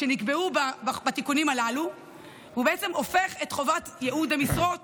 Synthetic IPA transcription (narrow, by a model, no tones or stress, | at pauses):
ʃenikbe̞ubabbat̪ikunimalalu | vubeet͡semo̞fe̞χetχo̞vat̪jeʔudamisʁo̞t